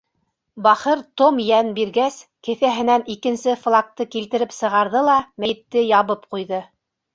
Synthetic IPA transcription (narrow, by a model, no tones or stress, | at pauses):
bɑχɤɾt̪omjænbiɾɡæskɘ̆θæɦɘ̆nænikɘ̆nsɘflˠak̚t̪ɤkilt̪ɘ̆ɾɘpsɤ̆ʁɑɾðɤlˠɑmæɘ̆t̪ːɘjɑβɤpqujðɤ